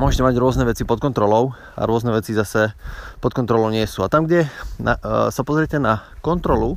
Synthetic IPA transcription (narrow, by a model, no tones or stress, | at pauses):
mʊɔʒɛcɛmaɟɾʊɔznɛʋɛt͡sipɔt̪kɔnt̪ɾɔlɔʊ | a̰ɾʊɔznɛʋɛt͡sizasɛpɔt̪̚kɔnt̪ɾɔlɔʊɲɪɛsuːat̪amɡɟɛna̰sapɔzɾɪɛcɛnakɔnt̪ɾɔlu